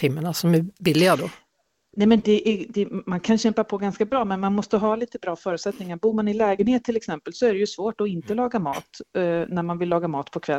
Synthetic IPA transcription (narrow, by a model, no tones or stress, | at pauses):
ɪmːənasɔmæbɪlːɪɡad̪ɔ | nɛmɛnd̪ɛʔæd̪ɛmankʰanɕɛmpapʰɔɡanskabɾɑːmɛnmanmɔst̪əɦɑːliːt̪əbɾɑːfœːɾʉ̟t̪sɛt̪nɪŋaɾbuːɾmanɪlɛːɡənheːt̪ʰːɪlɛksɛmpəlsɔæɾɛjɵsvoːʈɔɪnt̪əlɑːɡamɑ̰ːt̪næɾmanvɪlːɑːɡamɑːt̪pʰɔkʰvɛ